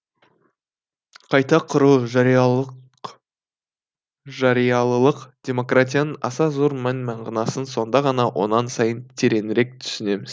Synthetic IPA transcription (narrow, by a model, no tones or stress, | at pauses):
qʰɑjt̪ɑqʰʊɾuʒɑ | ʒɑɾijɑlˠəlˠəqd̪̥ʲe̞mo̞krat̪̬ʲijanənɑ̰sɑzoɾmænmɑɴʁɑnɑsənso̞nd̪ɑʁɑnɑwʔo̞̰nɑnsɑjənt̪ʰeɾe̞nɪɾe̞k̚t̪ʰʏ̥sɪne̞mɪz̥